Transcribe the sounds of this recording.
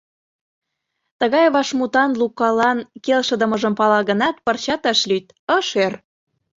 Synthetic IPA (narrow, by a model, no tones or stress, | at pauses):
t̪əɣɑjβɑʃmut̪ɑnlukːɑlɑnkelʃə̆d̪ə̆mɤ̆ʒə̆mpɑlɑɣə̆nɑt̪̚pərt͡ɕɑt̪əʃlyt̪ | əʃer